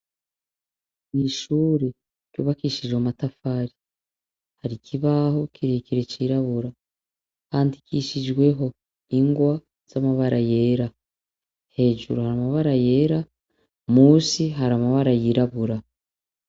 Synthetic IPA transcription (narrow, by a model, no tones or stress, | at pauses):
niʃuːɾe̞ | cuːβakiːʃiʒomatafaɾi | haɾikʰiβaho̞kiɾekiɾe̞ciːɾaβuɾa | haːndikiːʃid͡ʒɡwe̞ɦo̞ | iŋɡwa | z̥amaβaɾaje̞ːɾa | he̞ːʒṵɾuhaɾamaβaɾaje̞ːɾa | muːsiɦaɾamaβaɾajiɾaβuɾa